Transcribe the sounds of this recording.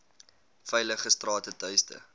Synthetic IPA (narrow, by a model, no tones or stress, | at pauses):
fɛjləχəstrɑːtətœɥstə̰